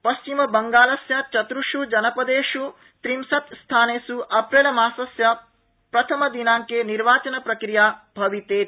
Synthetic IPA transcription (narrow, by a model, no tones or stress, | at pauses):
pɐst͡ʃimɐbɐŋɡaːlɐsjɐt͡ʃɐt̪ɾuʂud͡ʒɐnɐpɐd̪eːʂu | t̪ɾimsɐt̪st̪ʰaːneːsuʔɐpɾelɐmaːsɐsjɐ | pɾɐt̪ʰɐmɐd̪inaːŋkeːniɾʋaːt͡ʃɐnɐpɾɐkɾijaːbʱɐʋit̪eː